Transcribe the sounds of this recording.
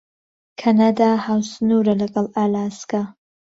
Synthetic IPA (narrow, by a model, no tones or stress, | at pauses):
kʰanad̪ahaːwsɨnuːɾɐlɐɡɐlˠalaːsɡa